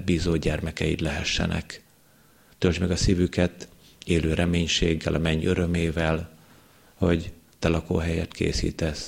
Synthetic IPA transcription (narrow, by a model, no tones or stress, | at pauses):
biːzoːɟɛrmɛkɛjit̪lɛɦɛʃːɛ̰nɛ̰k | t̪øld͡ʒmɛɡɒsivykɛt̪ | eːløːɾʔɛmeːɲʃeːɡːɛlʔɒmɛɲːøɾø̞meːvɛl | ho̞ɟ | t̪ɛlɒko̰ːɦɛjɛt̪kʰḛːsḭːt̪ɛs